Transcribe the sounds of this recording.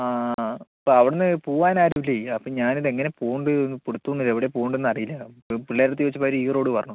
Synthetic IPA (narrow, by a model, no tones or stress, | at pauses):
aːɐpːoɐʋiɽenːɨpuːʋaːnaːɾɐʋilːeɐpːoːɲaːniðe̞ŋːɐne̞puːɳɖɨnːɨpuɽut̪ːunːiðeʋiɽepuːɳɖenːɐrijilːɐpiɭːeːɾɾt̪ːiʋɐt͡ɕːupːaːɐɾɨiːro̞ːɽɨpɐrɐɳu